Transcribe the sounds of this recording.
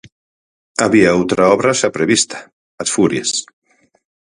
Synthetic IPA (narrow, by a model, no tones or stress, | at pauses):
aβiaawt̪ɾaɔβɾaʃapɾeβist̪ḁ | at̪fuɾjes